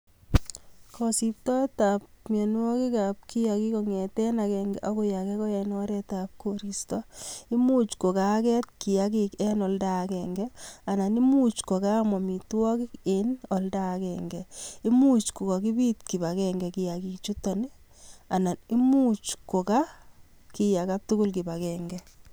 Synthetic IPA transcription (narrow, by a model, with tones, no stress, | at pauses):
kʰɔsi˨p̚tɔ˦ta˨p̚mɛ˨n˦ɔ˦ki˦ka˨p̚ki˦ja˨ki˦kɔ˨ŋɛ˨tɛ˦na˨kɛŋɡɛʔo˦ko˦ja˨kɛ˦kɔ˦ɛnɔ˦ɾɛ˦ta˨p̚koɾistɔ˦i˦mu˦t͡ʃko˨ka˨kɛ˦t̚ki˨jak̬ikɛ˦nɔ˨ldakɛŋɡɛa˨na˨ni˦mu˦t͡ʃko˨ka˦mɔ˨mi˨twɔ˦ki˦kenɔ˨ldakɛ˨ŋɡɛi˦mu˦t͡ʃko˨ka˨ki˦bi˦tki˨ba˨kɛŋɡɛ˨ki˨ja˨ki˨kt͡ʃu˦tɔ˨nɪ˦ | a˨na˨ni˦mut͡ʃko˨ka˦ | ki˨ja˨ka˦p̚tʊ˦kʊ˦lki˨ba˨kɛŋɡɛ